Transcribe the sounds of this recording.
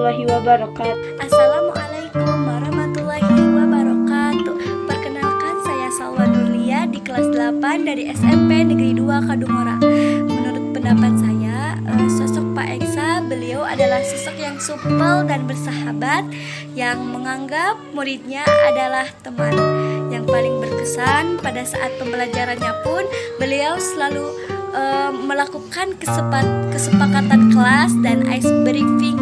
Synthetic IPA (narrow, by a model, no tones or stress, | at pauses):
lːaɦiwabaɾɔkat̪ʔasalamuʔalajkumwaɾɔhmat̪ulːaɦiwabaɾɔkat̪bərkənalkansajasawanuliadikəlasdəlapandaɾiʔɛsɛmpenəɡəɾiduakaduŋoɾa̰ŋmənuɾʊt̪̚pəndapat̪̚sajaəsɔsɔk̚pa̰ʔɛksabəlioa̰dalahsəsɔkjaŋsupəldanbərsaɦabat̪̚ | jaŋməŋaŋɡap̚muɾit̪̚ɲaʔa̰dalaht̪əmanjaŋpalɪŋbərkəsanpadasa̰ʔat̪̚pəmbəlad͡ʒaɾanɲapʊnbəliawsəlalu | ʔəməlakukankəsəpat̪̚kəsəpakat̪ankəlasdana̰jsbəɾikfiŋ